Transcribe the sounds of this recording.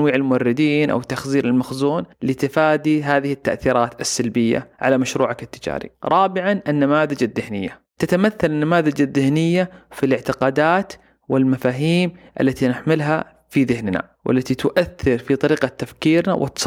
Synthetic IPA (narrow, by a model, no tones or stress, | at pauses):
wiːʕɪlmʊwɑrːɪd̪iːnʔa̰wt̪ːaxziːɾɪlmaxzuːnlɪt̪ɪfaːd̪iɦaːðɪhɪt̪ːaʔθiːɾˤɑːt̪asːalbɪjːa̰ʕa̰lamaʃɾuːʕakɪt̪ːɪd͡ʒa̰ːɾḭɾˤʔɑːbɪʕanʔanːamaːðad͡ʒaðːɪhnɪjːa̰ | t̪at̪amaθːalɪnːamaːðad͡ʒaðːɪhnɪjːafilɪʕt̪ɪqɑːd̪aːt̪ | wɪlmafaːɦiːmʔa̰lːat̪inɪħmɪlɦa̰ | fiðɪhnna̰ | wʔa̰lːat̪it̪ʊʔaθːɪɾfit̪ˤɑɾiːqat̪ːafkiːɾna̰wʔɪ̰t̪sˤ